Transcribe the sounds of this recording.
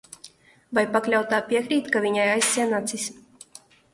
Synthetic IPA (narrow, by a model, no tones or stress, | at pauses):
vajpaklʲawt̪aːpʲiɛkɾiːt̪kavʲiɲajajst̪sʲiɛnat̪sisʲ